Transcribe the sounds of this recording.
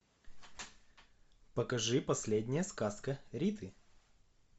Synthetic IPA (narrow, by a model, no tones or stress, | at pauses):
pəkɐʐɨpɐsʲlʲedʲnʲɪjəskaskəɾʲit̪ʰɨ